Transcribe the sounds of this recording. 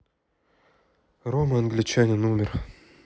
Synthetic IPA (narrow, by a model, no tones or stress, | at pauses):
roməɐnɡlʲɪt͡ɕanʲɪnumʲɪr